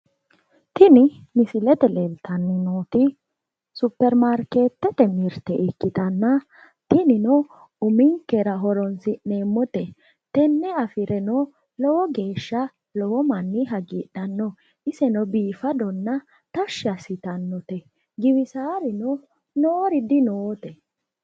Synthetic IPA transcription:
t̪ɪnɪ | mɪsɪlɛt̪ɛlelt̪ɐnːɪnoːt̪ɪ | sʊpːɛɾmaɾke̞ːt̪ːɛt̪ɛmɪɾt̪ɛʔɪkːɪt̪ɐnːɐ | t̪ɪnɪnɔ | ʊmɪŋkːɛɾɐɦɔɾɔnsɪne̞ːmːɔt̪ɛ | t̪ɛnːɛɐfɪɾɛnɔ | lɔwɔɡe̞ːʃːɐ | lɔwɔmɐnːɪɦɐɡiːᶑɐnːɔ | ɪsɛnɔbiːfɐd̪ɔnːɐ | t̪ɐʃːɪɐsɪt̪ɐnːɔt̪ɛ | ɡɪwɪsaːɾɪnɔ | noːɾɪd̪ɪnoːt̪ɛ

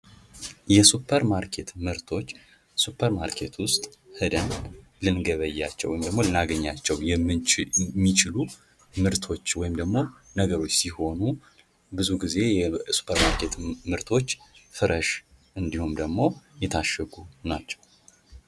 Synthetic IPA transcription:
jɛsupʰəɾmaɾkʰe̞t̪mɨɾt̪ʰo̞t͡ʃː | supʰːəɾmaɾkʰe̞t̪ʰwʊst̪ʼhɨd̪ən | lɨnɡəβəjːat͡ʃːɛwːɔjɪmd̪əɡmolɨnaɡəɲːat͡ʃːɛwjɛ | mːit͡ʃɪlu | mɨɾt̪ʰo̞t͡ʃːwɔjɪmd̪əɡmo̞nəɡəɾo̞t͡ʃːsiho̞nu | bɨzuɡize̞su̥pʰːəɾmaɾkʰe̞t̪mɨɾt̪ʰo̞t͡ʃːfɨɾʔəʃ | ʔɨnd̪ihumd̪əɡmo̞jɛt̪ʰaʃɛɡunat͡ʃːɛ̥w

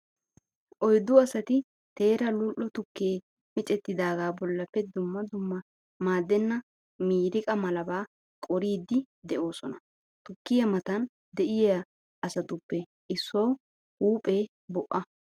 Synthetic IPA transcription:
ʔɔjd̪ːʊɐsɐt̪ɪ | t̪e̞ːɾɐlʊlʔːɔt̪ʊkːeː | mɪt͡ʃʼɛt̪ːɪd̪aːɡaːbɔlːɐpːɛd̪ʊmːɐd̪ʊmːɐ | maːd̪ːɛnːɐ | miːɾɪkʼɐmɐlɐbaː | kʼɔɾiːd̪ːɪ | d̪ɛʔo̞ːsɔnɐ | t̪ʊkːɪjɐmɐt̪ɐn | d̪ɛʔɪjɐ | ɐsɐt̪ʊpːɛ | ʔɪsːɔw | huːpʼe̞ː | bɔʔːɐ

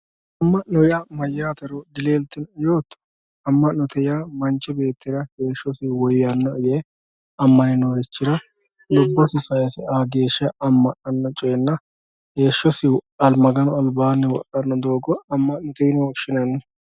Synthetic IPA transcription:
ʔɐmːɐʔnɔjamɐjːaːt̪ɐɾɔd̪ɪleːlt̪ːɪnjoːt̪ː | ɐmːɐnnɔt̪ʰɛjamɐnt͡ʃːɛbe̞ːt̪ʰːɪɾɐhe̞ːʃːɔsɪwɔjjɐnːɐje | ɐmːɐnɪnɔɡɛt͡ʃːɪɾɐ | dɔbːɐsɪsɐjsɛaːɡe̞ːʃɐɐmːɐʔɐnːɐt͡ʃʼɔjɛnːɐ | ɡeːʃːɔsɪɐlmɐɡɐnɔɐlbaːnːɛwɔ̰ʔɐnːɐd̪oːɡɔɐmːɐʔnɔt̪ɛjnɔʃɪnɐnːɛ

